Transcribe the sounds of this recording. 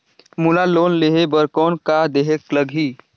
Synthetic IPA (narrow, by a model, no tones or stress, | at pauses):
mulaloːnleɦebəɾkɔːnkad̪eɦekləɡʱi